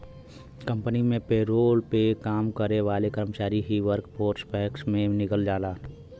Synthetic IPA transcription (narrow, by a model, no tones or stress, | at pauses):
kə̃mpənimẽpeɾoːlpekaːmkəɾeʋaːlekəɾmət͡ʃaːɾiɦiʋəɾkpoːɾspɛːksmẽnɪkəld͡ʒaːlaː